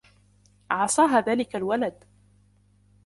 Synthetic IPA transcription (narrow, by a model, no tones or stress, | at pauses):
ʕɑsˤɑːɦaːðaːlɪkalwalad̪